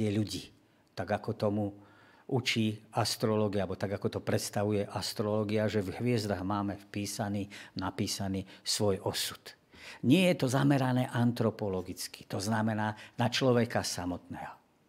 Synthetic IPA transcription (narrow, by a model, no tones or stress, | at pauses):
ɛʎuɟiː | t̪aɡakɔt̪ɔmu | ut͡ʃiːast̪ɾɔlɔːɡiabɔt̪aɡakɔt̪ɔpɾɛt̪st̪aʋujɛʔast̪ɾɔlɔːɡiaʒɛvɦʋɪɛzd̪aɣmaːmɛfpiːsaniːnapiːsaniːsʋɔjɔsu̥t̪ | ɲɪɛjɛt̪ɔzamɛɾanɛːʔant̪ɾɔpɔlɔɡit͡ski̥t̪ɔznamɛnaːnat͡ʃlɔʋɛkasamɔt̪nɛːɦɔ